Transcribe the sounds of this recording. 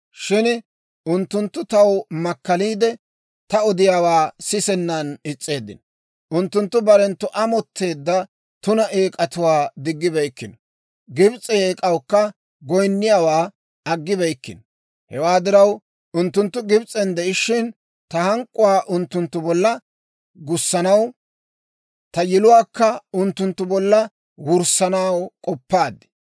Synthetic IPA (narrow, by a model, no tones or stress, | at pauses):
ʃɪn | ʔʊnt̪ːʊnt̪ːʊt̪ɐwmɐkːɐliːd̪ɛ | t̪ɐɔd̪ɪjaːwaːsɪsɛnːɐnɪt͡sʼːe̞ːd̪ːɪ̰n | ʔʊnt̪ːʊnt̪ːʊbɐɾɛnt̪ːʊʔɐmɔt̪ʰːe̞ːd̪ːɐ | t̪ʊnɐʔeːkʼɐt̪ʊwaːd̪ɪɡːɪbɛjkːɪn | ɡɪbt͡sʼɛeːkʼɐwkːɐ | ɡɔjnːɪjaːwaː | ɐɡːɪbɛjkːɪnɔ | hɛwaːd̪ɪɾɐw | ʊnt̪ːʊnt̪ːʊɡɪbt͡sʼɛnd̪ɛʔɪʃːɪn | t̪ɐhɐŋkʼːʊwaːʔʊnt̪ːʊnt̪ːʊbɔlːɐ | ɡʊsːɐnɐw | t̪ɐjɪlʊwaːkːɐʊnt̪ːʊnt̪ːʊbɔlːɐ | wʊɾsɐnawkʼɔpːaːd̪ːɪ̥